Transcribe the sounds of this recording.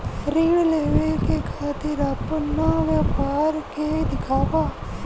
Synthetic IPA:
ɾɪːɽleːʋekeːkʰaːt̪ɪɾaːpənãːʋəpaːɾkeːd̪ɪkʰaːpaː

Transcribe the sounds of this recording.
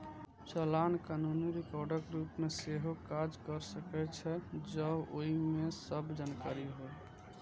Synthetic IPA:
t͡ʃəlankanuniɾikɔɾɖəkɾupmeseɦokad͡ʒkəɾsəkɛt͡ʃʰɛd͡ʒəoɦimesəbd͡ʒankaɾiɦoe

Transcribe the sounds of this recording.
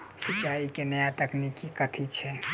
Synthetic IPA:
sɐt͡ʃːaːikenɐjat̪ɐknikːikɐt̪ʰit͡ʃʰɛ

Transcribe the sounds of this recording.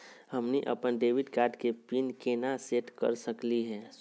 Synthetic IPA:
həmniʔə̰pənɖeːʋɪɖkaːɾɖkepinkenaseːʈkə̰ɾsəkliɦɛ̃ː

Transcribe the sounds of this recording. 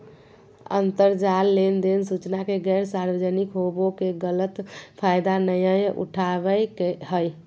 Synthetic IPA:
ə̰nt̪əɾd͡ʒalːend̪ensut͡ʃnakeɡɛɾsaɾbəd͡ʒənikɦobokeɡələt̪pʰajd̪anəjəjʔṵʈʰabəjkeɦəj

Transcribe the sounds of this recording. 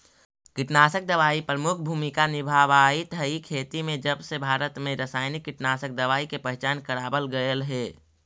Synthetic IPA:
kɪʈnaːsək̚d̪əʋaːipɾəmʊkʰbʱuːmikanɪbʱaːʋaːit̪ʰəikʰeːt̪imẽd͡ʒəbsebʱaːɾət̪mẽɾəsaːɪnɪkːɪʈnaːsək̚d̪əʋaːikepɛɦt͡ʃaːnkəɾaːbəlɡəəlɦɛː

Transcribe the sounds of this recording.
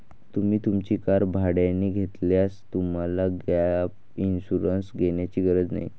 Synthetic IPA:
t̪umiːt̪umt͡ɕiːkaɾbʱaɽjanːiːɡʱet̪ljast̪um̤alaɡap | inɕuɾənsɡʱeɳjat͡ɕiːɡəɾəd͡zna̰j

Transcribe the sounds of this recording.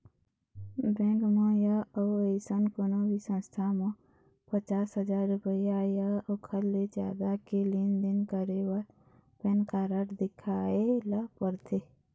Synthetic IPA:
bɛ̃ːɡmõjaoeɪsənkonobisə̃nst̪ʰamõ | pət͡ʃaːsɦəd͡ʒaːɾːʊpəiajaokʰəlːed͡ʒja̰ːd̪akelind̪ɪnkəɾewaɾ | penkaːɾəʈd̪ɪkʰaːelapəɾt̪ʰe

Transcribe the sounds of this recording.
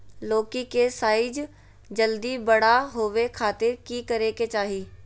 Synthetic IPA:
loːkikesaːɪd͡ʒ | d͡ʒəld̪ibɐɽ̤aɦoːʋekʰaːt̪ɪɾkikɐɾeket͡ʃaːɦiː

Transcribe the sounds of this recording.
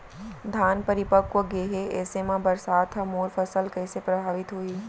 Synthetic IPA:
d̪ʱaːnpəɾɪpəkwoɡeːɦeɛːsemãbɐɾsaːt̪ʰɐmoːɾfɐsəlkɛːsepɾɐbʱaːʋɪt̪ɦoiː

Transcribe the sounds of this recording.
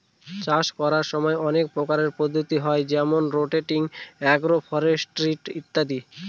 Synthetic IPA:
t͡ɕaʃkɔɾaɾʃɔmɔeɔnek̚pɾokaɾeɾpod̪ʱːot̪iɦɔed͡ʑɛmonɾoʈeʈiŋɛɡɾofʰɔɾesʈɾiʈit̪ːad̪i

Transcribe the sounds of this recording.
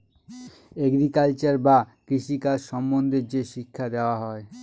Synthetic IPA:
eɡɾikalt͡ɕaɾbakɾiʃikaʃɔmbond̪ʱeɾd͡ʑeʃikʰːad̪eoaɦɔe

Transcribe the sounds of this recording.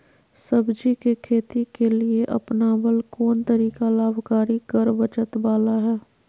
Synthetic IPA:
sɐbd͡ʒikekʰeːt̪ikelieʔɐ̰pnaːbəlkɔːnt̪ɐɾiːkalaːbkaːɾikɐɾbət͡ʃət̪baːlaɦɛː

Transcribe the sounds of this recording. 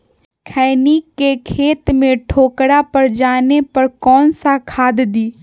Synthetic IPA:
kʰɛːnikkːekʰeːt̪mẽʈʰoːkɽapɐɾd͡ʒaːnepɐɾkɔːnsakʰaːd̪d̪iː

